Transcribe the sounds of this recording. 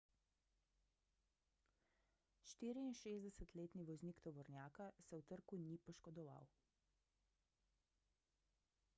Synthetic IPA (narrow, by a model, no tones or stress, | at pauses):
ʃt̪iːɾiːnʃeːzd̪ɛsɛt̪leːt̪niʋɔzniːkt̪ɔʋɔɾnjaːkasɛwt̪əɾkunipɔʃkɔd̪ɔʋa̰w